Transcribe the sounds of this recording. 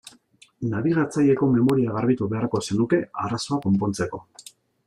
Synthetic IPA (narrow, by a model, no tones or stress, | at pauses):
naβiɣat͡saje̞ko̞me̞mo̞ɾiaɣ̞aɾβit̪uβe̞arko̞se̞nuke̞araso̞ako̞mpo̞nt͡se̞ko̞